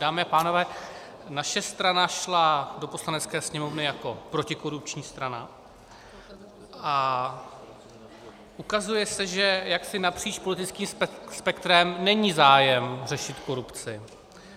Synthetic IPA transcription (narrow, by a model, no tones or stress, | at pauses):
d̥aːmɪapaːno̞vɛː | naʃɛst̪ɾanaʃlado̞po̞slanɛt͡skɛːsɲɛmo̞vnɪjako̞pɾo̞cɪko̞ɾup̚t͡ʃɲiːst̪ɾana̰ | ʔa | ʔukazujɛsɛʒɛjaksɪnapr̝̥iːt͡ʃpolɪt̪ɪt͡skiːmspɛkt̪ɾɛmnɛɲiːzaːjɛmr̝ɛʃɪt̪ko̞ɾupt͡sɪ